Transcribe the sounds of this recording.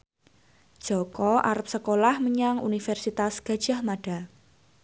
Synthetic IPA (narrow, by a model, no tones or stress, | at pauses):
d̥ʒ̥ɔ̤kɔʔa̰ɾəp̚səkolahməɲaŋṵnifɛrsit̪asɡ̥ä̤d̥ʒ̥a̤hmaɖ̥a̤